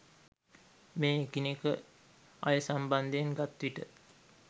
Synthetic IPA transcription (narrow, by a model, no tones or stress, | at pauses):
meːkinekə | a̰jəsamband̪ejeŋɡat̪ʋiʈə